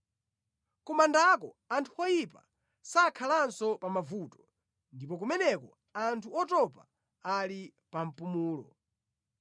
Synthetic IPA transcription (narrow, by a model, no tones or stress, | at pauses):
kumandakɔ | antʰuɔjipa̰ | sakʰalansɔpamavutɔ̥ | ndipɔk̬umɛnɛkɔ | antʰuɔtɔpa | ali | pam̩pumuːlɔ̰